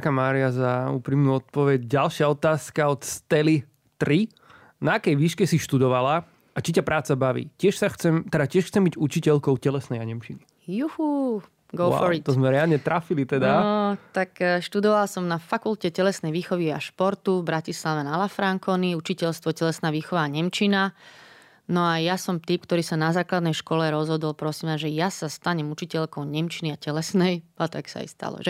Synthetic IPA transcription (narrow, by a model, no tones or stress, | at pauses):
kamaːɾiazaṵːpɾiːmnuːɔt̪̚pɔʋɛɟɟalʃɪaɔt̪aːskaɔt̪st̪ɛli | t̪ɾi | naakɛjʋiːʃkɛsiʃt̪ud̪ɔʋala | at͡ʃicapɾʔaːt͡sabaʋḭːcɪɛʃsaxt͡sɛmt̪ɛd̪acɪɛʃxt͡sɛmbiɟut͡ʃicɛʎkɔʊcɛlɛsnɛjaɲɛmʃini | juhu | ɡɔʊaɔt̪ɔzmɛɾɛalɲɛt̪ɾafilit̪ɛd̪aɔt̪akʃt̪ud̪ɔʋalsɔmnafakulcɛcɛlɛsnɛjʋiːxɔʋia̰ʃpɔɾt̪uvbɾacislaʋɛnalafɾaŋkɔniut͡ʃicɛʎst̪ʋɔcɛlɛsnaːʋiːxɔʋaːɲɛmt͡ʃina | nɔajasɔmt̪iːp̚kt̪ɔɾiːsanazaːklad̪nɛjʃkɔlɛɾɔzɦɔd̪ɔlpɾɔsiːmaʒɛjasast̪aɲɛmut͡ʃicɛʎkɔʊɲɛmt͡ʃiniacɛlɛsnɛjat̪aksa̰jst̪a̰lɔ̰ʒɛ